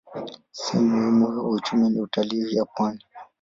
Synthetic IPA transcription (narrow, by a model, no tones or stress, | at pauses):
sɛ̰muhimuhiut͡ʃuminiutalijapwani